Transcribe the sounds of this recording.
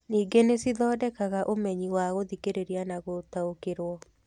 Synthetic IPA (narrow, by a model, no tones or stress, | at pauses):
niːɡenesiðɔːdɛkaɣaʔomɛɲiwaɣoðikeɾeɾianaɣotaokeɾwɔ